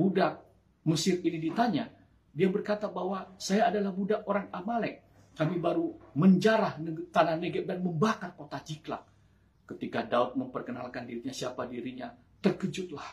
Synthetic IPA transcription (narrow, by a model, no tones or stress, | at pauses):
budak̚ | məsɪrinidit̪aɲa | diabərkat̪abaɦwasajaːdalahbudak̚oɾaŋamalɛk̚ː | amibaɾuməɲd͡ʒaɾahnt̪anahnəɡət̪̚danməmbakarkot̪ad͡ʒikla̰k̚ | kət̪ikadaʊt̪̚məmpərkənalkandiɾiɲasiapadiɾiɲa | t̪ərkəd͡ʒʊt̪̚lah